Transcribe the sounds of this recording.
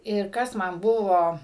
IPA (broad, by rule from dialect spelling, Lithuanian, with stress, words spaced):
ɪr ˈkɐs ˈmɐn ˈbʊʋoː